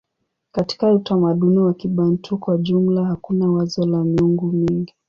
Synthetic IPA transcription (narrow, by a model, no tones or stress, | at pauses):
kati̥kautamaɗuniwakiɓan̩tʰukwaʄumlahakunawazɔlamiuŋɡumiŋɡi